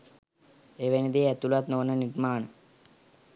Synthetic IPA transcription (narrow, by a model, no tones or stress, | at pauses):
eʋenid̪eɛt̪ːulat̪noːnːəniʈmaːɳə